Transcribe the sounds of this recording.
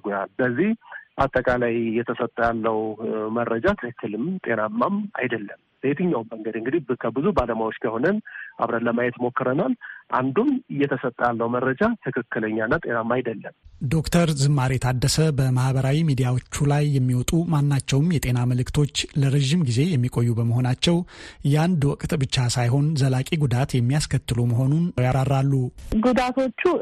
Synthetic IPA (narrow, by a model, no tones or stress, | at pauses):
ɡujalbəzːihʔat̪ʼːəkʼalajjɛt̪ʰəsət̪ʼːəjalːəwmərːəd͡ʒat̪ʰɨkʰɨkːɨlɨmt̪ʼe̞namːama̰jd̪əlːəm | b̥et̪ʰɨɲːawmːəŋɡəd̪ɨŋɡɨd̪ikʰəbɨzubaləmajwo̞t͡ʃːkʰəho̞nənʔa̰βɾaləmajɛt̪mo̞kːɨɾənalʔa̰nd̪umɨjːɛt̪ʰəsət̪ʼːəjalːəwməɾːəd͡ʒat̪ʰɨkʰɨkːɨləɲːanːat̪ʼe̞namːajd̪əlːəmd̪o̞kt̪ʰəɾzɨmːaɾit̪ʰad̪ːəsəbəmahbəɾawimid̪ijawot͡ʃːulajːɛmːiwɔt̪ʼumanːat͡ʃːɛwmjɛt̪ʼe̞naməlɨkt̪ʰo̞t͡ʃːləɾəʒimɡize̞jɛmːikʼo̞jːubəməɦo̞nat͡ʃːɛwjand̪wɔkʼt̪ʼbɨt͡ʃːasajɦo̞nzəlakʼiɡud̪at̪jɛmːijaskʰət̪ːɨluməɦo̞nunjaɾarːalːuɡud̪at̪ʰo̞t͡ʃːu